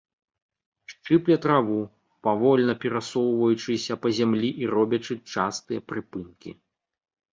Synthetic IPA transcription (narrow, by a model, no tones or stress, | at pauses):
ʂt͡ʂɨplʲɐt̪ɾavu | pavɔlʲnɐpʲɛɾasɔwvɐjut͡ʂɨsʲɐpɐzʲamlʲiʔiɾɔbʲɐt͡ʂɨt͡ʂast̪ɨjɐpɾɨpɨnkʲḭ